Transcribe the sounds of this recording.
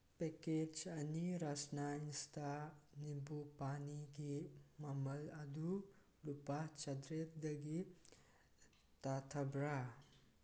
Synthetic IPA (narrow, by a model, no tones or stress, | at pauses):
peked͡ʒɐniɾasnainst̪ʰanibupaniɡimamɐlɐd̪u | lupat͡ʃɐd̪ɾet̪̚d̪ɐɡi | t̪at̪ʰabɾa